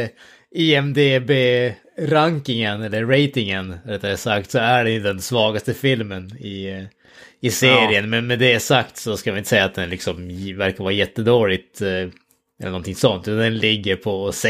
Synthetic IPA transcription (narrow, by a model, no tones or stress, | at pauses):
iɛmd̪ebeː | ɾaŋkɪŋənɛlːəːɛjt̪ɪŋənvaɾɛt̪ːad̪ɛsak̚t̪sɔæɖɛnjɵd̪ɛnsvɑːɡast̪əfɪlmənɪ | ɪseːɾɪənmɛnmɛd̪ɛsakt̪sɔskamajɪnəsɛjːat̪̚d̪ɛnlɪksɔmvæɾkavɑːɾajɛt̪ːəd̪oːlɪɡt̪ | ɛlənɔnt̪ʰɪŋsɔnt̪ʉːand̪ɛnlɪɡːəɾpʰɔs